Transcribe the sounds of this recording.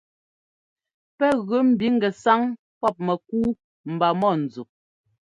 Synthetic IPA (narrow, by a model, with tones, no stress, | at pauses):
pɛ˦ɣʉ˨˦m̩˨bi˨˦ŋ̩˦ɡɛ˨sa˦ŋ | pɔ˦˨p̚mɛ˨k̚uː˦ | m̩˨ba˨mɔ˦˨n̩˨d͡zu˨